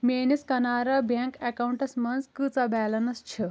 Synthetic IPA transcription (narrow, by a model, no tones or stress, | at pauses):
meniskɐnaɾabaŋkɛkawuɳʈɐsmɐnd͡zkɨt͡sabɛlɐnɐst͡ɕʰe